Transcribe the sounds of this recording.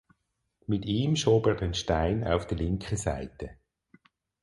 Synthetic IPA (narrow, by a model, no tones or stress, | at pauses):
mɪtiːmʃoːbɛːʁdɛnʃtaɪna̰ʊfd̥əlɪŋkʰəsa̰ɪtə